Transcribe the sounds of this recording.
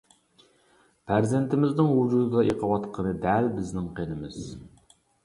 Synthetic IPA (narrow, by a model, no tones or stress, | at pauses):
pʰæɾzent̪ʰɪmɪznɪŋwud͡ʒud̪ɨd̪ɑʔeqʰəwɑt̪qʰənɨd̪ælbɪznɪŋqʰenɪmɪz̥